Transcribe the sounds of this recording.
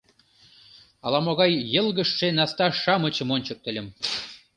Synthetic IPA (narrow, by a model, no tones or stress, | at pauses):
ɑlɑmoɣɑjːə̆lˠɣə̆ʃːenɑst̪ɑʃɑmə̆t͡ɕə̆monʲt͡ɕə̆k̚t̪ə̆lʲə̆m